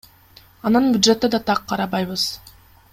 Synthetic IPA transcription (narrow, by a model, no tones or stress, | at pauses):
ɑnɯnbʲʊd̪ʒe̞t̪ːed̪ɑt̪ʰɑqʰːɑɾɑβɑjβɯz̥